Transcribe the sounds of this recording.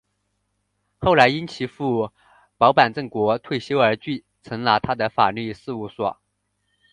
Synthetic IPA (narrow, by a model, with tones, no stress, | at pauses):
xo˥˩ʊla˧˥ɪi˥nt͡ɕʰi˧˥fu˥˩ | pɑ˧˥ʊpa˨˩nʈ͡ʂɤ˥˩ŋkwɔ˧˥t̪ʰwe˥˩ɪɕjo˥ʊə˞˧˥t͡ɕy˥˩ | t͡sʰɤ˧˥ŋla˧˥t̪ʰa˥d̪ə˨fa̰˨˩ly˥˧sɹ̩˥˧u˧˥˩swɔ̰˨˩˦